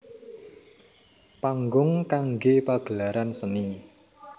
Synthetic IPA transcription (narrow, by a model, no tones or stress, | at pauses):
paŋɡʊŋkaŋɡepaɡ̥əlaɾansəni